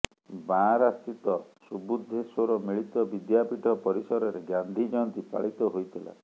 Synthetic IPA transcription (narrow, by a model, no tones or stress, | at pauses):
bãɾast̪it̪ɔsubud̪ʱːesɔɾɔmiɭit̪ɔbid̪japiʈʰɔpɔɾisɔɾɔɾeɡand̪ʱid͡ʒɔnt̪ipa̰ɭit̪ɔɦojt̪ʰila̰